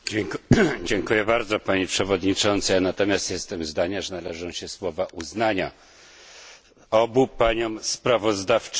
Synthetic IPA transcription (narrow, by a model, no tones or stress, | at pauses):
d͡ʑɛŋkujɛbaɾd̪zɔpaɲipʂɛvɔd̪ɲit͡ʂɔnt̪sajanat̪ɔmʲjast̪jɛst̪ɛmzd̪aɲaʐɛnalɛʐɔ̃w̃ɕɛswɔvaʔuznaɲa | ɔbupaɲɔmspɾavɔzd̪aft͡ʂ